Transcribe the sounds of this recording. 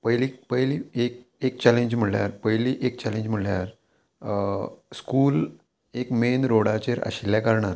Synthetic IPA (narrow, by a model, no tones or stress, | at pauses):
pəjliːpəjliːek̚ek̚t͡ɕaleɲd͡ʑm̤əɽlja̰ɾpəjliːʔek̚t͡ɕalẽɲd͡ʑm̤əɽljaɾ | skuːl | ekmenɾoɽat͡ɕeɾə̰ɕiljakaɾɳaɾ